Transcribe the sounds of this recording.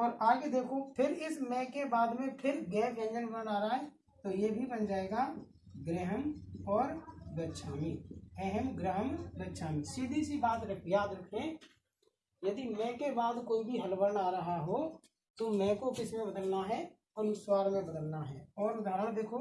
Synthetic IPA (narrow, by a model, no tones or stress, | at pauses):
ɔːɾaːɡed̪eːkʰopʰɪɾɪsmɛ̃ːkebaːd̪mẽpʰɪɾɡɛːɡɛ̃ːnd͡ʒəlbənaːɾəɦaɦɛ | t̪ojebʱibənd͡ʒaːeːɡa | ɡɾəɦəmɔːɾɡətːʃʰaːmiɛɦɛmɡɾəɦəmɡətːʃʰaːmisiːd̪ʱisibaːt̪ɾəkʰjaːd̪ɾəkʰɾɛ̃ | jɐd̪imɛ̃ːkebaːd̪koːibʱiɦəlbəɾəɳaːɾəɦaɦo | t̪omɛ̃ːkokɪsmẽbəd̪əlnaɦɛ | ənʊswaːɾmẽbəd̪əlnaɦɛːɔːɾʊd̪aːɾəɽ̃d̪eːkʰo